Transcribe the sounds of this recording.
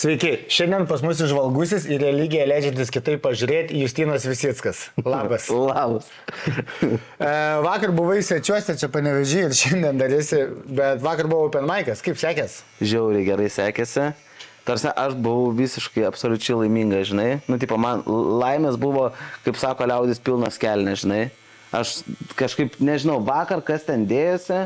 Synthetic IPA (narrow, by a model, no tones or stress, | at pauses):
sʲʋʲɛɪkʲɪʃʲɛnʲd̪ʲɛnpɐsmʊs̬ɪʃʋɐlˠɡʊsʲɪsɪrʲɛlʲiːɡʲɪjɛlʲæɪd͡ʒʲɛnʲt̪ʲɪskʲɪt̪ɐɪppɐʒʲʊɾʲeːt̪ʲijʊsʲt̪ʲiːnoːsʋʲɪsʲiːt̪skɐslˠɑːbɐslˠɑːbɐs | ʋɑːkɐrbʊʋɐɪsʲʋʲɛt͡ʃʲuɔsʲɛt͡ʃʲɛpɐnʲɛʋʲɛʒʲiːɪrʃʲɛnʲd̪ʲiɛnd̪ɐɾʲɪsʲɪbʲɛt̪ʋɑːkɐrbʊʋɐʊpʲɛnmɐɪkɐskɐɪpsʲæːkʲɛs | ʒʲɛʊɾʲɪɡʲɛɾɐɪsʲæːkʲɛsʲɪ | t̪ɐɾʲsʲɛʔɐʃbʊʋɐʊʋʲiːsʲɪʃkɐɪɐpsoːlʲʊt͡ʃʲɛɪlˠɐɪmʲiːŋɡɐsʒʲɪnɐɪnʊt̪ʲiːpɐmɐnlˠɐɪmʲeːsbʊʋoːkɐɪpsɑːkoːlʲɛʊd̪ʲɪspʲilˠnoːsʲkʲæːlʲnʲɛʒʲɪnɐɪ | ɐʃkɐʃkɐɪpnʲɛʒʲɪnɐʊʋɑːkɐrkɐst̪ʲɛnd̪ʲeːjoːsʲɪ